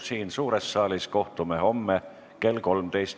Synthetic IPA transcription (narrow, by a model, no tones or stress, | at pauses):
siːnsuːɾesːɑːlisko̞ht̪umeho̞mːe | ke̞lko̞lmt̪ejst̪